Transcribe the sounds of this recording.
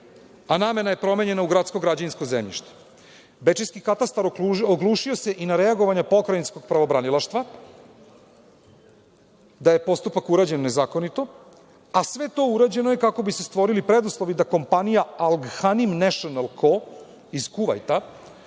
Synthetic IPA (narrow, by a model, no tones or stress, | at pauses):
aname̞naje̞pɾo̞me̞ɲe̞nauɡɾat̪sko̞ɡɾad͡ʑaninskozemʎḭʃt̪e̥ | bet͡ʃejskikat̪ast̪aɾoɡlˠuʃio̞se̞ʔinaɾeaɡoʋaɲapo̞kɾajninsko̞ɡ̚pɾaʋo̞bɾanilaʃt̪ʋa | d̪ajepo̞st̪upakuɾaːd͡ʑe̞nːe̞zaːko̞nit̪o̞ | asʋe̞t̪o̞uɾad͡ʑe̞nojekako̞bisest̪ʋo̞ɾilipɾed̪uslˠo̞ʋid̪ako̞mpanijaalˠɡxanimnaʃionalˠkʰo | iz̥kuʋa̰jt̪a